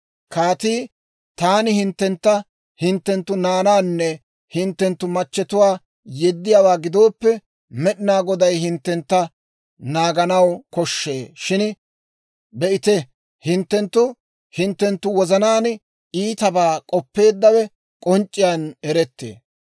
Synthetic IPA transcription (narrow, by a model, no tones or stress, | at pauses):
kaːt̪iː | t̪aːnɪhɪnt̪ːɛnt̪ːɐ | hɪnt̪ːɛnt̪ːʊnaːnaːnːɛ | hɪnt̪ːɛnt̪ːʊmɐt͡ʃːɛt̪ʊwaː | jɛd̪ːɪjaːwaːɡɪd̪o̞ːpːɛ | mɛɗɪnaːɡɔd̪ɐjhɪnt̪ːɛnt̪ːɐ | naːɡɐnɐwkɔʃːeːʃɪn | bɛʔɪt̪ɛ | hɪnt̪ːɛnt̪ːʊ | hɪnt̪ːɛnt̪ːʊwɔzɐnaːn | iːt̪ɐbaːkʼɔpːe̞ːd̪ːɐwɛ | kʼɔnt͡ʃʼːɪjaːnɛɾɛt̪ːḛː